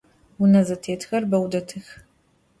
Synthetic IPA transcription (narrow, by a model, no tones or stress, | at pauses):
wʊnɐzɐtʰeːtʰxɐrbɐwdɐtʰɨx